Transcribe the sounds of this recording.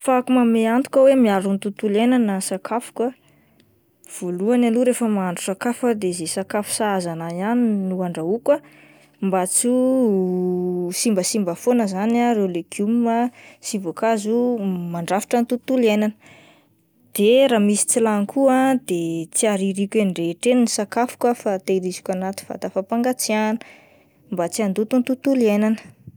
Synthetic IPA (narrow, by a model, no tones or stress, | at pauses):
fakumameant̪u̥kʲawemiaɾunt̪ut̪ulenanəsakʰafu̥kə | v̥oluanaluɾefəmaɳɖ͡ʐusakafəd̪ezesakafu̥saazanajaninuaɳɖ͡ʐaukə | mbat͡su | simbəsimbəfonəzanaɾewlekʰumməsivakazumaɳɖ͡ʐafi̥ʈ͡ʂənt̪ut̪ulenanə | d̪̥eɾamisi̥t͡silaŋkʰuad̪et͡siaɾiɾikʲenɖ͡ʐeʈ͡ʂeninisakafu̥kafat̪eiɾizi̥kʲanat̪i̥v̥a̰t̪afapaŋɡat͡sianə̥ | mbat͡siand̪ut̪unt̪ut̪ulienanə̥